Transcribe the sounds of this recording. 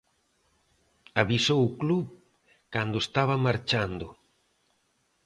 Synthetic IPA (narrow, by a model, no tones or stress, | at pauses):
aβisowukluβ | kand̪ʊest̪aβamaɾt͡ʃand̪ʊ